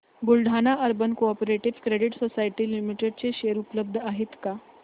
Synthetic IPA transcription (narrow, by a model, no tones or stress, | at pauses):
ɡulɖʱanaʔəɾbənkopoɾeʈiʋkɾeɽiʈsosajʈiːlimiʈeɖ̚t͡seɕeɾupləb̚d̪ʱəaɦet̪ka